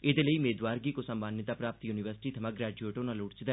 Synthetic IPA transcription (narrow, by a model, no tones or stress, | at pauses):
ɪd̪eːləiːmeːd̪ʋaːɾɡiːkosəmbaːnjɪt̪aːpɾaːpət̪juːnɪʋəɾsɪ̥ʈiːt̪ʰəmãːɡɾɛːd͡ʒueːʈonãːloːʈt͡ʃd̪